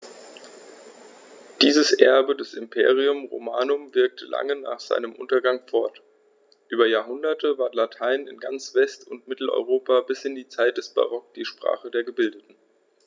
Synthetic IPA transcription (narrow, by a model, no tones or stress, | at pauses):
d̥iːzəsʔɛɐbədɛsɪmpʰḛːʁ̞iʊmʁo̰maːnʊmvɪɐk̚tʰəla̰ŋəna̰ːχz̥a̰ɪnəmʔʊ̰ntɐɡaŋfɔɐt | ʔyːbɐjaːɐɦʊndɐtʰəvaːɐtlatʰaɪnɪ̰nɡant͡sv̥ɛstʰʊntmɪtl̩ɔ̰ʏʁ̞oːpʰabɪsʔɪndiːt͡saɪt̚d̥ɛsb̥a̰ʁɔk̚d̥iːʃpʁ̥a̰ːχədeːɐɡəbɪldətn̩